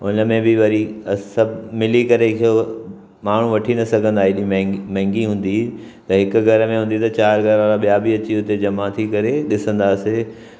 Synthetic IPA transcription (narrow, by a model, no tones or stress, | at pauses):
ʊnə̆mẽbɪʋɐɾisɐbmɪlikɐɾekʰjo | maːɳ̤ũʋɐʈʰinɐsɐɡʱə̃nd̪aːɦiɗimmɛ̃ːŋɡiɦũːn̆d̪i | t̪ɐɦɪkʊ̆ɡʱɐɾəmẽɦũːn̆d̪it̪ɐt͡ɕaːɾɡʱɐɾaːɾaɓijabiɐt͡ɕiʊt̪ed͡ʑɐmat̪ʰikɐɾeɗɪsə̃nd̪aːse